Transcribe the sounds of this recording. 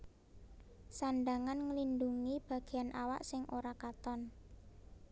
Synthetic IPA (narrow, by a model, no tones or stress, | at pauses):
sanɖaŋanŋəlinduŋib̥ä̤ɡ̥e̤anʔawa̰ʔsɪŋʔoɾakat̪ɔn